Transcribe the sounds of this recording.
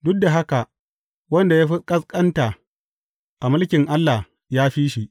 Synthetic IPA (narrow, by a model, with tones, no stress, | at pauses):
dʊ˦k̚da˨ɦa˦ka˨ | wɐ˦nda˨jaː˦ɸɪ˦kʼɐ˦skʼɐ˦nta˨ | ʔa˨mʊ˦lkʲɪ˨ŋʔa˦lːa˨h | jaː˦ɸiː˦ʃi˨ʔ